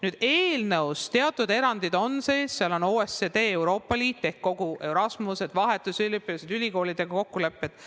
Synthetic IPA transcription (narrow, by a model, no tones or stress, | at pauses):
nyːd̪̥eːlnɤwst̪e̞ɑt̪ːˑud̪e̞ɾɑnd̪̥id̪o̞nse̞ːsseɑlo̞noːesed̪e̞ːwɾo̞ːpːˑɑliːt̪ːe̞hkko̞ɡ̥ue̞wɾɑsmuse̞d̪̥vɑɦe̞t̪ːˑusylipːised̪̥ylʲiko̞ːlid̪̥eɡ̥ɑko̞kːule̞pːˑe̞d̪̥